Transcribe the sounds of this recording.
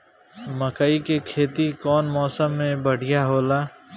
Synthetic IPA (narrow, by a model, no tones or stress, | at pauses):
məkaikekʰeːt̪ikɔːnmɔːsəmːẽbəɽ̤ɪjaɦoːlaː